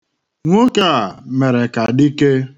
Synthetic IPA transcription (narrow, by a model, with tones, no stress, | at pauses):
ŋʷo˦ke˦a˨me˨ɾe˨ka˨di˦ke˦